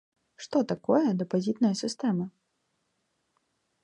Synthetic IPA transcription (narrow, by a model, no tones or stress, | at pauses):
ʂt̪ɔt̪akɔjɛd̪ɐpazʲit̪nɐjɐsʲist̪ɛmɨ